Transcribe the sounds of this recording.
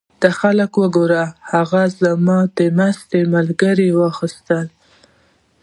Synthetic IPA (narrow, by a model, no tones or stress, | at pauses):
d̪̥axaləkwəɡoɾahaɣazamɑd̪əmast̪emalɡəɾiwɑxist̪əl